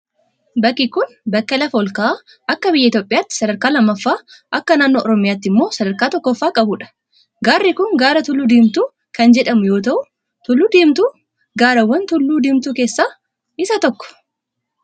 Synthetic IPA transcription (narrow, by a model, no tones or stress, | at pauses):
bɐkːikʊn | bɐkːɐlɐfɐɔlkɐʔː | ʔɐkːɐbɪjːɐɪt̪joːpʼɪjaːt̪ːɪ̥sɐd̪ɐɾkaːlɐmːɐfːaːʔɐkːɐnaːnːoːʔɔɾɔmɪjaːt̪ːɪmːo̞ːsɐd̪ɐɾkaːt̪ɔkːɔfːaːkʼɐbʊᶑɐ̥ | ɡaːrːɪkʊŋɡaːɾɐt̪ʊlːud̪iːmt̪uː | kɐnd͡ʒɛᶑɐmʊjo̞ːt̪̬ɐʔʊ | t̪ʊlːud̪iːmt̪uː | ɡaːɾɐwːɐnt̪ʊlːuːd̪iːmt̪uke̞ːsːaː | ɪsɐt̪ɔkːɔ̥